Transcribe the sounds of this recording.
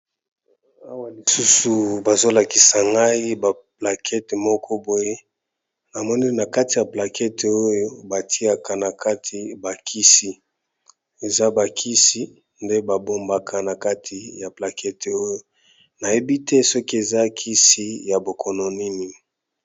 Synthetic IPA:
a˦wa˨li˨su˦su˨ba˨zo˦la˨ki˨sa˨ŋɡa˦i˦ba˨pla˨kʰɛ˦te˨mɔ˦kʰɔ˦bo˨je˦ | na˨mɔ˦ni˦na˨ka˦ti˨ja˨pla˨kʰɛ˦te˨o˦jo˦ba˨tʰi˦a˨ka˨na˨kʰa˦tʰi˨ba˨kʰi˦si˨ | e˨za˦ba˨kʰi˦si˨ | nde˦ba˨bo˨mba˨kʰa˨na˨ka˦tʰi˨ja˨pla˨kɛ˦te˨o˦jo˦ | na˨je˦bi˦tɛ˦sɔ˦ki˦e˨za˦kʰi˦si˦ja˨bo˨kʰɔ˨no˨ni˦ni˨

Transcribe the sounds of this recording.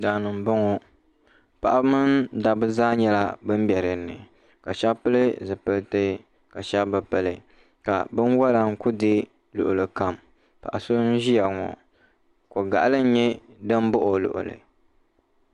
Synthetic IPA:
da˨nɨ˨m̩˨bɔ˦ŋo˦ | pa˨ʔa˦mɨ˦nda˨bɨ˦zaː˦ɲɛ˦la˦bɨ˦m̩˦bɛ˨ɾɨ˨nɨ̰˨ | ka˨ʃa˦bpɨ˦lɨ˦zɨ˨pɨ˦ltɨ˦ | ka˨ʃa˦bbɨ˨pɨ˦lɨ˨ | ka̰˨bɨ˦nwɔ˦la˦ŋ˦ku˦dɨ˦ | lʊ̰˨ʔʊ˨lɨ˨ka˨m | pa̰˨ʔa˨so˦n̩˦ʒi˦ja˨ŋɔ̰˨ | ko˨ɡa̰˨ʔa˨lɨ˦n˦ɲɛ˦ | dɨ˦m˦bʊ˦ʔo˨lʊ̰˨ʔʊ̰˨lɨ̰˨

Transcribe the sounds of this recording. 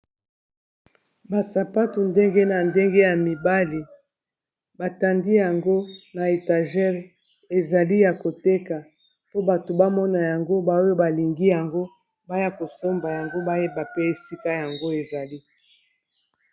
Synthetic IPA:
ba˨sa˨pa˦to˨nde˦ŋɡe˦na˨nde˦ŋɡe˦ja˨mi˨ba˦li˨ | ba˨ta˨ndi˦ja˨ŋɡo˦na˨e˨ta˨ʒɛ˦ʁ | e˨za˨li˦ja˨ko˨te˦ka˨ | po˦ba˨to˨ba˦mɔ˦na˨ja˨ŋɡo˦ba˨o˦jo˦ba˨li˨ŋɡi˦ja˨ŋɡo˦ | ba˦ja˦ko˨so˦mba˨ja˨ŋɡo˦ba˦je˦ba˨pe˦e˨si˦ka˦ja˨ŋɡo˦e˨za˨li˦

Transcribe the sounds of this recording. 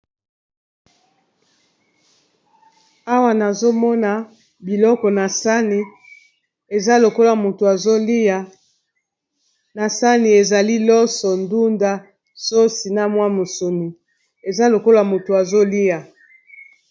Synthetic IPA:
a˦wa˨na˨zo˦mɔ˦na˨ | bi˨lɔ˦kɔ˨na˨sa˦ni˦ | e˨za˦lo˨ko˦lo˨a˨mo˨to˨a˨zo˦li˦a˨ | na˨sa˦ni˨e˨za˨li˦lɔ˦sɔ˨ndu˦nda˦ | so˦si˨na˦mwa˦mo˨so˨ni˨ | e˨za˦lo˨ko˦la˨mo˨to˨a˨zo˦li˦ja˨

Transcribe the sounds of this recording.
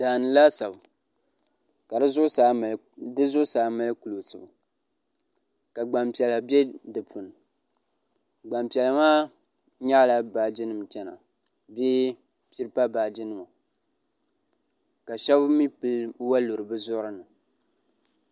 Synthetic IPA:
d̥aː˨nɨ˨la˦sa˨b | ka˨dɨ˦zʊ˦sa˨ | dɨ˦zʊ˦saː˨˦ma˦lku˨lo˨sɨ˨ba˨ | ka˨ɡ͡ba˨mpi˨ɛ˨la˨bɛ˦dɨ˨pʰu˨nɨ˨ | ɡ͡ba˨mpi˨ɛ˨la˨maː˦ | ɲa˦la˨ba˨d͡ʒɪ˦nɨ˨m˨t͡ʃɛ˦na̰˨ | be˦ | pi˦ɾɨ˦pa˦baː˨d͡ʒɪ˦nɨ˨ma˨ | ka˨ʃɛ˦bmi˦pɨ˦lwa˦lo˨ɾɨ˨bɨ˦zʊ˦ɾɨ˦nɨ˨

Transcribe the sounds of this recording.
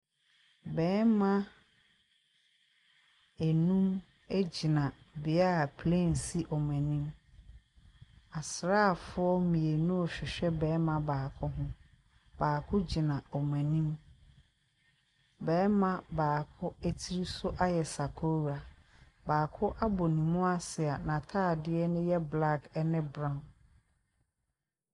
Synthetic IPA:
bɛː˨˦mã˦ | e˨nũ˦m | e˦d͡ʑi˨nã˨ | bɪ˨a˦˨pʰlɛ̃˦˨n˨si˦ʔɔ˨mɛ̃˨nĩ˦m | a˨sɾaː˦˨fʊ˦ɔ˦mĩ˨e˨nũ˦ɔ˨ɕᶣɪ˨ɕᶣɛ˦bɛː˨˦mã˨baː˨kʰʊ˦ɦʊ̃˦ | b̥aː˨kʰʊ˦d͡ʑi˨nã˨ɔ˨mɛ̃˨nĩ˦m | bɛː˨˦mã˨baː˨kʰʊ˦æ˦tʰi˦ɾi˦sʊ˦ʔa˦jɛ˨sa˨kʰo˦˨ɾa˨ | baː˨kʰʊ˦ʔa˦bɔ˨nĩ˨mũ˦a˦sɪ˨a˨nã˨tʰaː˦˨dɪ˦ɛ˦nʊ̃˦jɛ˦bla˦kɛ˦nɪ̃˦bɾã˦˨n

